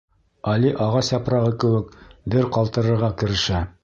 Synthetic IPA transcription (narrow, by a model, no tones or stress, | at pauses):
ɑliʔɑʁɑsɑpɾɑʁɤkɘ̆wɘkd̪ɘɾqɑlˠt̪ɤ̆ɾɤ̆ɾʁɑkɘ̆ɾɘ̆ʃæ